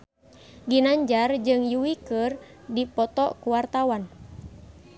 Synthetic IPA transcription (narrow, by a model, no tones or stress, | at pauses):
ɡinaɲd͡ʒard͡ʒɨŋjuwikər | dipɔt̪ɔkuwart̪awan